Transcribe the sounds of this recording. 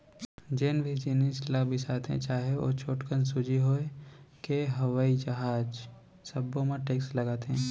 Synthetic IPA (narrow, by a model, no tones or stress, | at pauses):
d͡ʒenbʱid͡ʒɪnislabʱɪsaːt̪ɦɛ̰̃t͡ʃaːɦeo̰ːt͡ʃʰoːʈkənsʊd͡ʒʱiɦoekeɦɐʋaːid͡ʒɐɦaːd͡ʒ | sɐbːõmeʈeːkslɐɡaːt̪eɦɛ̃ː